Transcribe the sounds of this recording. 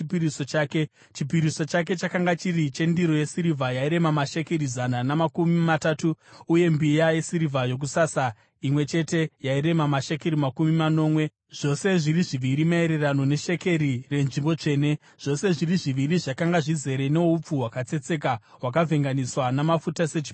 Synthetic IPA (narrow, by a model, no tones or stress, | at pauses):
piisot͡ʃaːke | t͡ʃipiɾiso̞t͡ʃak̬e̞t͡ʃakaŋɡat͡ʃirit͡ʃe̞ndiɾo̞jesiɾivʱajaiɾe̞mamaʃe̞keɾizananamakumimataːtuːje̞mbijaje̞siɾivʱajo̞k̬usasa | imwe̞t͡ʃe̞te̞jaiɾe̞mamaʃekeɾimakumimano̞ːmwe̞ | ʐ̥o̞se̞ʐiriʐiʋiɾimae̞ɾe̞rano̞ne̞ʃe̞ke̞ɾire̞nʐimbo̞t͡ʂe̞ːne̞ | ʐ̥o̞se̞ʐiriʐiʋiriʐakaŋɡaʐize̞ɾe̞ne̞up͡fuwakat͡se̞t͡se̞k̬awakavʱe̞ŋɡaniswanamafutase̞t͡ʃi̥p